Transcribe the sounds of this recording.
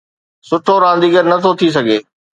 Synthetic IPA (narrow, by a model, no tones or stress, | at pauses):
sʊʈʰoɾãːn̆d̪iɡəɾnɐt̪ʰot̪ʰis̬ɐɡʱeː